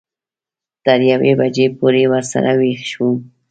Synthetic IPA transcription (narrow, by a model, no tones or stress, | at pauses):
t̪əɾjawebad͡ʒepoɾewəɾsa̰ɾawexʃu